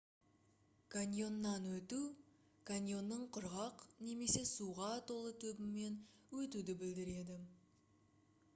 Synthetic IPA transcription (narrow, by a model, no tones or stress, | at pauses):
kʰanʲjo̞nːɑnwɵt̪u | kʰanʲjo̞nːəɴqʰʊɾʁɑqne̞me̞se̞suʁɑt̪ʰo̞lˠət̪ʰɵbɪmːe̞nwɵt̪ud̪ɪbɪld̪ɪɾe̞d̪ɪ